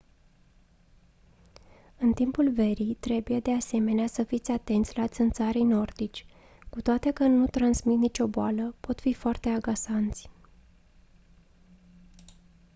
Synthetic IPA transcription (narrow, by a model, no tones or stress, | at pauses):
ɨnt̪impulve̞ɾit̪ɾe̞buje̞d̪e̞ase̞me̞neasəfit̪sʲat̪e̞nt̪sʲlat̪sɨnt̪saɾejno̞rd̪it͡ʃʲ | kut̪oat̪e̞kənut̪ɾansmit̪nit͡ʃʲo̞boaləpo̞t̪fifoart̪e̞aɡasant̪sʲ